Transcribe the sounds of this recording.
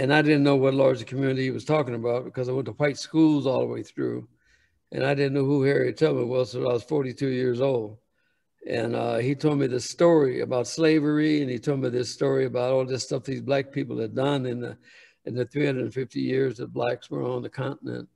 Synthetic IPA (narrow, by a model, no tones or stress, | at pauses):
ɨ̃naɪdɪdⁿn̩nːoʊwʌtˡlɑɹd͡ʒɨkʰmjʉnɨɾiiwʌz̥tʰɔkɪ̃ŋɨbaʊt̚b̥ɨkʰʌzaɪwɛ̃ntʰəw̥aɪtskulˠzɔ̰lˠðə̰wḛɪθɹʉ̰ | ʔɨ̰̃naɪdɪdⁿn̩noʊhuhɛɹitʰoʊl̚ˠmiwʌz̥soʊaɪwʌz̥fɔɹɾitʰʉjɪɹzoʊlˠd̚ | ɨ̰̃nʌ̰itʰoʊd̚miðɪstɔɹiɨ̰baʊtsleɪvə˞iɨ̃nitʰoʊlˠd̚miðɪstɔɹiɨbaʊɾɔlˠðɪstʌfðizblæk̚pʰipl̩ˠɨddʌ̃nɨ̃n̰ | ɨ̃nðɨθɹihʌ̃nədn̩fɪftijɪɹzðɨtblækswə̰˞ə̃nðɨkʰɑ̃nʔn̩ɨ̰̃nt̚